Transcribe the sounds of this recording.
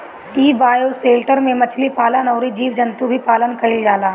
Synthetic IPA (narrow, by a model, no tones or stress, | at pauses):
iːbaːjoseːlʈəɾmẽmɐt͡ʃʰlipaːlanɔːɾid͡ʒiːʋd͡ʒɐnt̪ubʱipaːlənkɐɪld͡ʒaːlaː